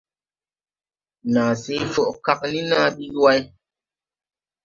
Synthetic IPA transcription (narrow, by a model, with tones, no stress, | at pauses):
naː˨se˨˦fɔ˦ʔka˦k̚ni˦na˦ɓi˦wa˦j